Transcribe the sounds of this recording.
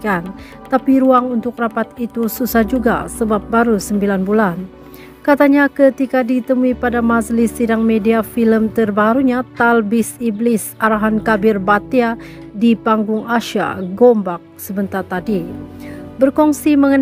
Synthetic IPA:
an | t̪apiɾuaŋunt̪ʊk̚rapat̪it̪ususahd͡ʒuɡa̰səbap̚baɾusəmbilanbulan | kat̪aɲakət̪ikadit̪əmuipadamad͡ʒlɪsːidaŋmediafiləmt̪ərbaɾuɲat̪albɪsiblɪsaɾaɦankabɪrbat̪iadipaŋɡʊŋaʃa̰ɡombak̚səbənt̪at̪adi | bərkɔŋsiməŋən

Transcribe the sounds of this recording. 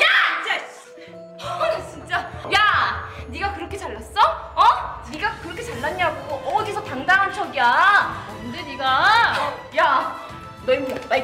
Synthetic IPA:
jat͡ɕit͡ɕ͈a | t͡ɕint͡ɕ͈ajaniɡakɯɾʌkʰe̞t͡ɕaɭːas͈ʌʌniɡakɯɾʌkʰet͡ɕaɭːaɲaɡoɡoʔʌɡisʰʌtaŋdaŋɦant͡ɕʰʌɡiakɯnde̞niɡa | ja | nema

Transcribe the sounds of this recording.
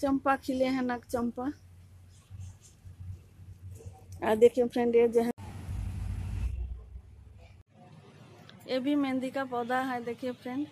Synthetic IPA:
t͡ʃɔmpakʰileɦɛ̃nakt͡ʃɔmpa | aɾd̪ekʰiepʰɾeɳɖeɾd͡ʒeɦ | ebimend̪ikapɔd̪aɦajd̪ekʰepʰɾeɳɖ

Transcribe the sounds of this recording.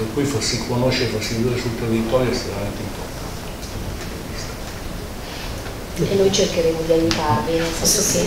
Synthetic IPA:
perkːujfasːikʰonoʃːeɾefasːiviveɾesult̪erːit̪ɔɾjoest̪ɾemamɛnt̪eimport̪ant̪eput̪od̪ivist̪ḁ | enːojt͡ʃerkeɾeːmod̪iajut̪arvinelfosoke

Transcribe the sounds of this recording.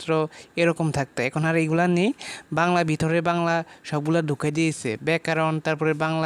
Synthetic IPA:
t̪ːɾɔeɾɔkomt̪ʰak̚t̪aɛkʰɔnaɾejɡulanejbaŋlabʱit̪ɔɾebaŋlaʃɔb̚ɡulaɾd̪ʱukʰad̪iesʰḛbɛkaɾɔnt̪aɾpɔɾebaŋla

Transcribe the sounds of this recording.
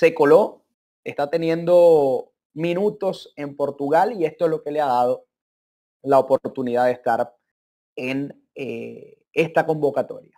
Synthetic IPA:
se̞ko̞lo̞ | e̞st̪at̪e̞njẽ̞nd̪o̞ | mĩnut̪o̞se̞mpo̞ɾt̪uɣalie̞st̪oezloke̞leaðað̞o̞ | laopo̞ɾt̪uniðaðest̪aɾ | en | e | e̞st̪ako̞mbo̞kat̪o̞̰ɾja

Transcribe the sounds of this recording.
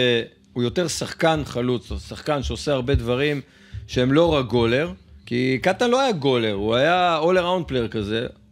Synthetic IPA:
e | ujo̞t̪eʁsaχkanχalut͡ssaχkanʃeo̞seaʁbe̞d̪vaʁim | ʃeemlo̞ʁaɡo̞le̞ʁkikat̪anlo̞ajaɡo̞le̞ʁuajaoleʁawnd̪̚pleʁkaze̞

